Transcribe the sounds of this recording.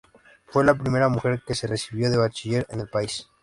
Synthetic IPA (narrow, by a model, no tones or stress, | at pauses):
fwe̞lapɾime̞ɾamuxe̞ɾke̞se̞re̞siβjo̞ðe̞β̞at͡ʃiʝe̞ɾḛne̞lpais